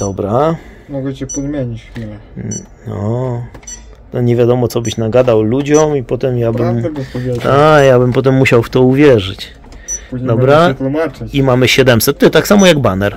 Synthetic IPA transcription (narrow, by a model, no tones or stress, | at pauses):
d̪̥ɔbɾamɔɡɛt͡ɕɛpɔzmʲjeɲit͡ɕxfʲilɛ | nɔ | t̪ɔɲɛvʲjad̪ɔmɔt̪sɔbɘɕnaɡad̪awlud͡ʑɔmipɔt̪ɛmjabɘmɔvʲɛt̪akjabɘmpɔt̪̬ɛmːuɕawft̪ɔuvʲjɛʐɘt͡ɕ | d̪ɔbɾat̪umat͡ʂɨimamɘɕɛd̪ɛmsɛt̪ːɨt̪aksamɔjaɡbanɛɾ